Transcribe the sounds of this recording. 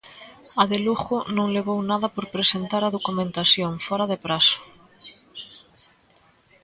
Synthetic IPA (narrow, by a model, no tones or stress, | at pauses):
aðeluxonõŋleɣownaðapoɾpɾesent̪aɾaðokumẽnt̪asjõŋfoɾaðepɾaso̥